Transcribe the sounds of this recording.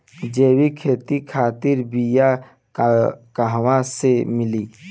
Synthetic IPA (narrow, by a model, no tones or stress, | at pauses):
d͡ʒeːwikʰeːt̪ikʰaːt̪ɪɾbija | kəɦwãsemɪliː